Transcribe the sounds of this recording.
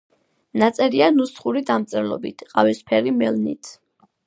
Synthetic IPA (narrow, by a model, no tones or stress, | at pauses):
nat̪sʼɛɾianust̪χuɾid̪amt̪sʼɛɾlɔ̰bit̪ʰqʼavispʰɛɾimɛlnḭt̪ʰ